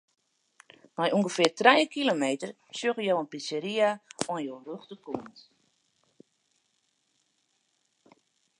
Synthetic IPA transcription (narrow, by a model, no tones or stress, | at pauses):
majʔuŋɡəfɪːrtrɛjəkilomeːtər | sjøɣəjowənpisəɾiaɔnjoːənrøxtəkunt